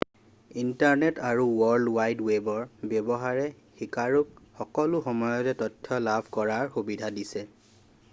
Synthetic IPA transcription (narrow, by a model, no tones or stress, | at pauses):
intaɹnɛtaɹuwɔɹdwajdwebɔɹbjebɔɦaɹɛ | xikaɹukxɔkɔlʊxɔmɔjɔtɛtɔtʰːɔlabʱkɔɹaɹxubidʱadisɛ